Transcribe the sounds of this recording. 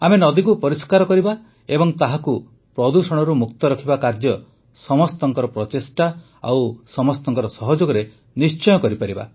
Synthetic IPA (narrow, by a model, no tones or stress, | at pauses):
amenɔd̪ikupɔɾiskaɾɔkɔɾiba | ebɔŋt̪aɦaku | pɾɔd̪usɔɽ̃ɔɾumukt̪ɔɾɔkʰibakaɾd͡ʒɔ | sɔmɔst̪ɔŋkɔɾɔpɾɔt̪esʈa | a̰wsɔmɔst̪ɔŋkɔɾɔsɔɦɔd͡ʒoɡɔɾe | nist͡ʃɔjɔkɔɾipaɾiba̰